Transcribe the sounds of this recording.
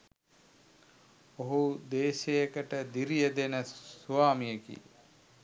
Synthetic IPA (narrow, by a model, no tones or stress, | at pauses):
oɦud̪eːʃejekəʈəd̪iɾijəd̪enəsuaːmijekḭ